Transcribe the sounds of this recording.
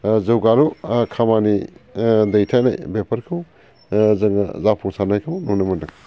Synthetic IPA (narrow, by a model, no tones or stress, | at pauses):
zɯwɡaɾukʰamani | dejtʰajna̰jbepʰɐɾkʰɯw | zɐŋ̰zapʰuŋsanajkʰɯwnunɐmɐdɯŋ